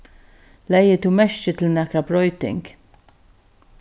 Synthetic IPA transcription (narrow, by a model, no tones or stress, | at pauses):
lɛjɪt̪umɛʃt͡ʃɪt̪lnɛkɾɐpɾɔjt̪ɪ̰ŋɡ